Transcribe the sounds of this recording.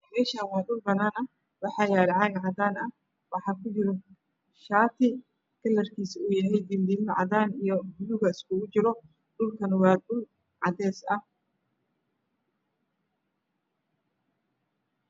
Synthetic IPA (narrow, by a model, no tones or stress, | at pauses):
mɛːʃaːnwɑːɗʊlbɐnaːnɐ | wɑħɑːjaːɾʕɑɣʕɑd̪aːnɐh | wɑħɑːkʰʊt͡ʃɪɾɔ | ʃaːt̪ʰɪ | kʰɐlɐrkʰiːsʊjɐɦɛjd̪ind̪iːlnɐʕɑ̰daːnijɔbʊjʊɣɐɪskʊɣʊt͡ʃɪɾɔ | ɖʊlkʰɐnwɑːɗʊl | ʕɑd̪ɛːsɐh